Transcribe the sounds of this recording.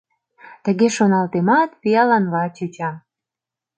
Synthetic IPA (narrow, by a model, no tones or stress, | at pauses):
t̪əɣeʃonɑlt̪emɑt̪pijɑlɑnlɑt͡ɕøt͡ɕɑ